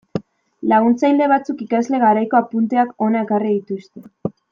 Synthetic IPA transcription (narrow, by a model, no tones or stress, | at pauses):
laɣ̞unt͡sajld̪e̞β̞at͡sukikazle̞ɣaɾajko̞apunt̪e̞ako̞naekariðit̪ust̪e̞